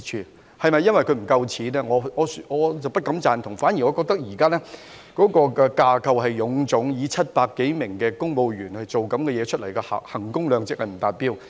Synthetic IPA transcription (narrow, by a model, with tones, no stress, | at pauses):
t͡ʃʰyː˧ | hɐ˨jmɐ˨jːɐ˥nwɐ˨jkʰɵ˨˧ɥm̩˨˩kɐ˧wt͡sʰiː˨˥nɛː˥ŋɔː˨˧ŋɔː˨˧sŋɔː˨˧t͡sɐ˨wpɐ˥t̚kɐ˨˧˥mt͡saː˨˩nt̪ʰʊ˨˩ŋfaː˨˥nji˨˩ŋɔː˨˧kɔː˧k̚t̪ɐ˥k̚jiː˨˩kaː˥lɛː˥ | kɔː˨˥kɔː˧kɛː˧kaː˧kʰɐ˧wɦɐ˨jːʊ˨˧˥ŋt͡sʊ˨˥ŋjiː˨˧t͡sʰɐ˥t̚paː˧kːe˨˥jmɪ˨˩ŋkɛː˧kʊ˥ŋmo˨˧wjyː˨˩nhɐ˨jt͡so˨wkɐ˨˥mkɛː˧jɛː˨˧t͡ʃʰɵ˥t̚lɐ˨˩jkɛ̰ː˧˨hɐ˨˩ŋkʊ˥ŋlœː˨˧ŋt͡sɪ˨k̚hɐ˨jm̩˨˩t̪aː˨t̚piː˥w